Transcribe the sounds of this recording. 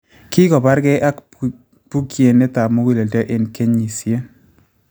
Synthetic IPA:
kɪ˦kɔ˨ba˦ɾkɛ˦ʔa˦k | pu˦kje˨nɪ˦ta˨mo˦ɡi˦˨le˨dɛ˦ʔɪ˦nke˦ɲːi˨sje˦

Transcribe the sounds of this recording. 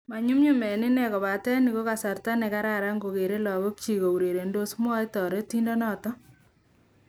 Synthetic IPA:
ma˨ɲu˦mɲu˦mɛ˨nɪ˦nɛ˨kɔ˨βa˨tɛ˦ni˨ko˦ka˨sa˨ɾta˦ne˨ka˦ɾa˦ɾa˦ŋɡo˨ke˨ɾe˦lɔ˨βo˦k̚t͡ʃi˨ɣo˨u˨ɾe˨ɾe˨ndo˦smɔ˦jtɔ˨ɾe˦ti˦ndɔ˦nɔ˦tɔ˦

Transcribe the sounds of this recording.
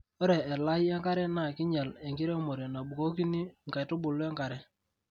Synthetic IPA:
o˦ɾɛː˨la˦jɛ˦ŋka˦ɾɛ˦na˨kɪ˦ɲa˨le˨ŋɡɪ˦ɾe˦mo˨ɾe˨na˨bu˨ko˦ki˦ni˦ŋ˨ka˨jtʊ˦bʊ˨lɛ˦ŋka˨ɾɛ˦

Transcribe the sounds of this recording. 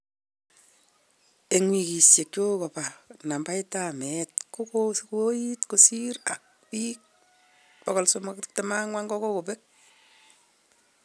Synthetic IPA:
e˨ŋwi˨ki˨sje˨k̚t͡ʃo˦kɔ˨pa˨na˨mba˦ɪ˦tamɛtko˦kosku˦o˦jitko˨siɾa˨k̚ | pik̚ | pɔ˨kɔ˨lsomkte˨ma˦ŋwa˦ŋɡɔ˦ko˦ko˨pe˦k̚

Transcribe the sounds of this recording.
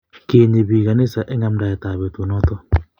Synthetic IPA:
ke˨ɲe˨βi˨ka˨ni˦sa˨ʔɛ˦ŋa˦mda˨ɛ˨ta˨βe˨two˨nɔ˦t̪ɔ˦

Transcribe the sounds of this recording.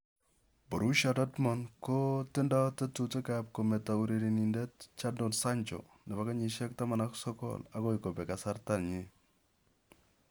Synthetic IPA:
bɔ˨ɾu˦ʃadɔ˦tmɔ˨nko˦tɪ˦ndɔ˦te˦tute˦kap̚ko˨mɛ˨ta˨u˨ɾe˨ɾi˨ni˨ndɛ˦t̚t͡ʃa˦ndo˨nsa˦ɲt͡ʃɔ̰ | nɛ˨ba˨ka˦ɲi˨ʃɛ˦k̚ta˦ma˨na˦ksɔ˦kɔ̰la˨ko˦iko˨pɛ˨ka˨sa˦ɾta˨lɲe˦

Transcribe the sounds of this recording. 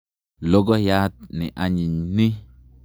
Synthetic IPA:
lo˦ɡɔ˦ja˦t̪̚ni˨ʔa˨ɲi˨ɲni˦

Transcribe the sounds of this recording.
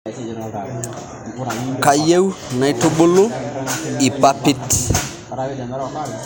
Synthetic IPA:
ka˨je˦wna˨jto˦ɓo˦lo˦ | i˨pa˦pi˦t

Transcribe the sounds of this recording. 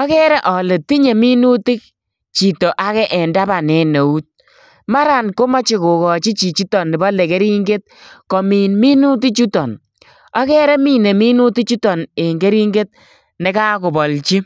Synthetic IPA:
ɔ˦kɛ˦ɾɛ˦ʔɔ˨le˨ti˦ɲe˨mi˦nu˦tɪ˦k̚ | t͡ʃi˨to˨ʔa˨kɛ˦ʔɛ˨nda˦ba˨nɛ˨ne˨u˦t̚ | ma˦ɾa˨nko˦ma˦t͡ʃi˨ko˨kɔ˨t͡ʃi˦t͡ʃi˨t͡ʃi˦tɔ˨nːɪ˨bɔ˦le˨ke˦ɾi˦ŋɡe˦t̚kɔ˨miː˨nmi˦nu˦t̬i˦t͡ʃu˦tɔ˨n | ɔ˦kɛ˦ɾɛ˦mi˦˨ne˨mi˦nu˦ti˦t͡ʃu˦tɔ˨ne˨ŋɡe˦ɾi˦ŋɡe˦t̚ | ne˨˦ka˦kʊ˨bɔ˨lt͡ʃi˦

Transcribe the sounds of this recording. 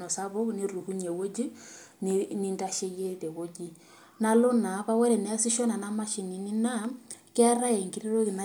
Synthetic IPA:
nɔ˨sa˦βɔ˦ni˦ru˨hu˦ɲ˨e˨wo˦d͡ʒi˦nni˦nda˦ʃe˦je˦te˨ɣo˦ɡi˦ | na˦lo˦na˨βa˦wɛ˦ɾɛ˨nɛ˨a˦si˦ʃɔ˦na˨na˦ma˦ʃi˨ni˨ni˦na˦kɛ˦a˦ɾa˦e˨ŋɡi˦ɾe˦ɾo˦ɣi˨na˦

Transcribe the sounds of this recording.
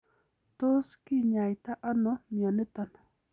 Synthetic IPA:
t̪o˦skɪ˦ɲa˨jt̪a˦ʔa˦nɔ˨mja˨nɪ˦t̪ɔ˦nɔ˨

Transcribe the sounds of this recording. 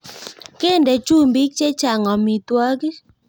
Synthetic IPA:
ke˦˨nde˨t͡ʃu˦mbi˦k̚t͡ʃe˦t͡ʃa˨ŋɔ˨mi˨twɔ˦ɡi˦

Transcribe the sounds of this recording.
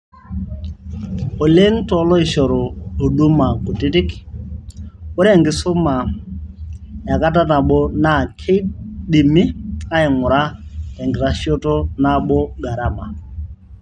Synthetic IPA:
o˨le˦ŋtɔ˨˦lɔ˦i˨ʃɔ˨ɾɔ˨o˨ɗu˦ma˨ko˨ti˦tɪ˦k | ɔ˦ɾe˨ŋɡɪ˨sʊ˦ma˨ | ja˨ka˦t̬a˦na˨ɓɔ˦na˦˨kʰe˦ɗi˨mi˦a˦i˨ŋʊ˨ɾa˦e˨ŋɡɪ˨ɾa˦ʃjo˦to˦na˦ɓɔ˦ɡa˨ɾa˦ma̰˨

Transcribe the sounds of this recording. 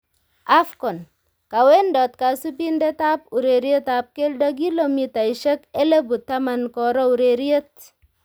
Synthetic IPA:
a˦fkɔ˨n | ka˨we˦ndɔ˨t̚ka˨su˦pi˦nde˦ta˦p̚u˨ɾe˨ɾje˦ta˨p̚ke˦lda˦k̬i˦lo˨mi˨ta˨i˨ʃe˦ke˦le˦bu˨ta˦ma˨nkɔ˨ɾɔ˦u˨ɾe˨ɾje˦t̚

